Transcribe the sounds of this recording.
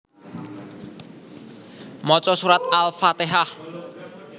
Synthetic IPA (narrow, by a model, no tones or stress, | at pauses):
mɔt͡ʃɔsuɾat̪̚alfat̪eɦah